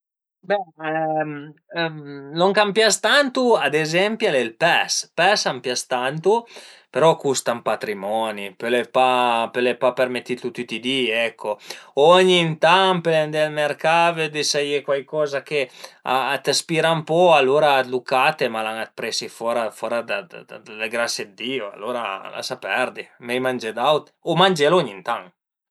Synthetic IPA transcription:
bɛm | noŋkampjast̪ant̪uad̪ezɛmpjalelpɛspɛsampjast̪ant̪upeɾɔkust̪ampat̪ɾimɔnipelepapelepapermet̪ːit̪ut̪ːit̪id̪iɛkʰːoɔɲint̪aŋpelend̪elmerkaved̪isajekwajkɔːzakea̰ːt̪aspiɾampɔalːoːɾat̪lukat̪emalaŋat̪̚pɾesifɔːɾafɔɾad̪ad̪d̪aleɡɾasjed̪d̪iːoa̰lːoːɾa̰la̰sapɛrd̪imɛjmand͡ʒed̪awt̪ | omand͡ʒelɔɲint̪aŋ

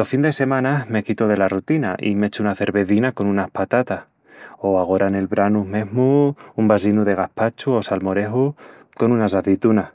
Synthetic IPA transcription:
lofind̪e̞se̞mãname̞kit̪oð̞e̞larut̪inaʔḭme̞t͡ʃuunaθe̞ɾβe̞θinako̞nũnahpat̪at̪ah | o̞aɣ̞o̞ɾane̞lβɾanume̞ɦmuumbas̬inuðe̞ɣ̞ahpat͡ʃuo̞salmo̞ɾe̞ɦu | ko̞nunas̬aθit̪una

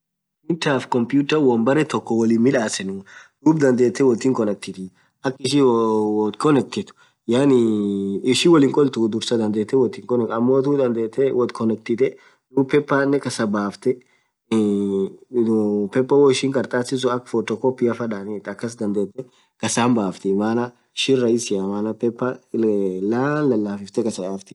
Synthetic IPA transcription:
ɪnt̪aːfkɔmpjuːt̪ɐwɐmbɐɾɛt̪ɔkːɔwɐlinmɪᶑaːsɛnʊd̪uːbd̪ɐnd̪e̞ːt̪ːɛwɔt̪ːiːŋkɔnɛk̚t̪ɪt̪ɪ | ʔɐkːɪʃi | kʰɔnɛk̚t̪ɪt̪ʊ̥ | jaːnɪɪʃiwɔlɪːŋkʼɔlt̪ud̪ʊɾsɐd̪ɐnd̪eːt̪ːɛwɔt̪ːiːŋkɔnɛkɐmːoːt̪ud̪ɐnd̪eːt̪ːɛwɔd̪kʰɔnɛk̚t̪ɪt̪ɛ | d̪uːpɛpːanːɛkɐsɐbaːft̪ɛ | pɛpːɐwɔɪʃɪŋkʼɐɾt̪ʼaːsɪs̬ʊɐkfɔt̪ɔkɔpːɪɐfɐᶑaːneːt̪ːɐkːɐs̬d̪ɐnd̪eːt̪ːɛ | kɐsaːmbaːft̪ɪmaːnɐ | ʃɪrɐɪsɪɐmaːnɐpɛpːa | laːnlɐlːaːfɪft̪ɛkɐsɐjaːft̪ɪ̥

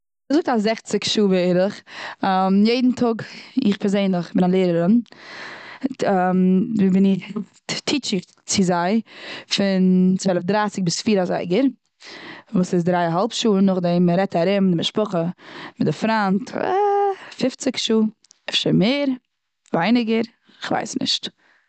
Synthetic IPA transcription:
zʊk̚tazɛχt͡sɪkʃuːvɪɪɾəχ | mjeɪdn̩tʰʊɡɪχpʰɛɾzeɪnlɪχbɪnalˠeɪːɾəɾən | mvibɪnɪ | tʰiːt͡ʃɪk | t͡sɪzaɪfɪnt͡sɛlˠɪfdɾaːsɪk̚bɪsfiːɾaza̰ɪɡəɾ | vuːsɪs̬dɾaɪɦalˠpʃuːənnːʊχdɪmɾɛtaɾɪmdɪmɪʃpʊχəmɪdɪfɾantʰ | fɪft͡sɪkʃuː | ɛfʃəmeːɾ | vaɪnɪɡəɾ | ɪχva̰ɪsnɪ̰ʃt

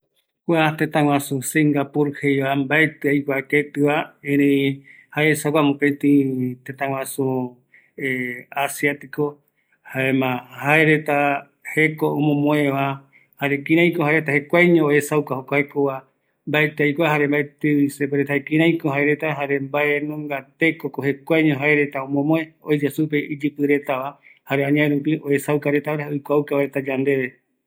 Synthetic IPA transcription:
kʷat̪ẽt̪ãw̃ãsuseŋɡapuɾhejβambaet̪ɨajkʷaket̪ɨβaẽɾeĩ | haeesawkʷamũpẽt̪ĩt̪ẽt̪ãwãsu | asjat̪iko | haemãhaeɾet̪a | hekoõmõmõẽβa | haɾekĩɾãj̃kohaeɾet̪ahe̞kʷajɲõoesawkahokʷaekoa | mbaet̪eajkʷaɦaɾe̞mbaet̪eisepeɾet̪aekĩɾãj̃kohɦaeɾe̞t̪aɦaɾe̞mbaenũŋɡat̪e̞kokohe̞kʷajɲõɦaeɾet̪aõmõmõẽojd͡ʒasup̬e̞ʔid͡ʒɨpɨɾe̞t̪aβa | haɾeãɲãẽɾupioesawkaɾe̞t̪aɾeojkʷaukaβaɾet̪ad͡ʒand̪e̞βe

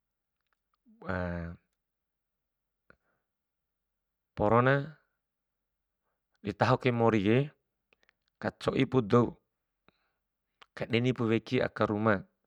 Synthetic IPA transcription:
a | poɾona | ɗit̪aɦokemoɾie | kat͡ʃoʔipud̪ou | kaɗɛnipuwekia̰kaɾuma

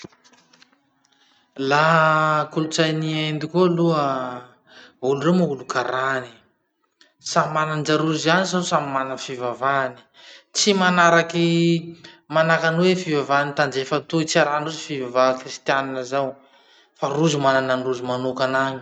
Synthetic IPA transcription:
lakulut͡sajniaend̪ikuluə | uluremaulukaɾani̥ | sammanand͡ʒaɾuzianisawsamimanəfivavani̥ | t͡simanaɾaki | manakanwefivavanit̪and͡ʒefət̪uit͡siaɾanruzifivavakrist̪janinəzaw | faruzimanananruzumanokanaɲi̥

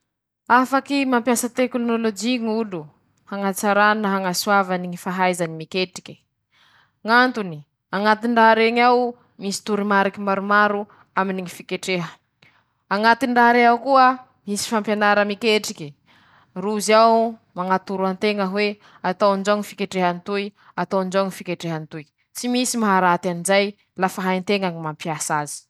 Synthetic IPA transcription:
afakimampjasət̪eklonolod͡ʒiŋulu | haŋat͡saɾananaɦaŋasuavaniŋifaɦajzanimikeʈ͡ʂi̥kʲi̥ | ŋant̪uni | aŋat̪iɳɖ͡ʐaɦɾeɲaw | misi̥t̪uɾimaɾikimaɾumaɾu | aminiŋifikeʈ͡ʂeɦə | aŋat̪iɳɖ͡ʐaɦɾeawkuə | misi̥fampjanaɾəmikeʈ͡ʂikʲi | ruzawmaŋat̪uɾuant̪eŋəɦwe | at̪awnd͡ʒaŋifikeʈ͡ʂeɦant̪uj | at̪awnd͡ʒawŋifikeʈ͡ʂeɦant̪uj | t͡simisimaɦaɾat̪anizaj | lafaɦajnt̪eŋaŋimampjasazi̥

